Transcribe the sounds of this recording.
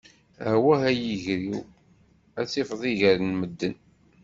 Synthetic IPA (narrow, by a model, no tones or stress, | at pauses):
hwæɦæjəʝɾiw | æt͡sːifðˤiʝəɾənməd̪ːən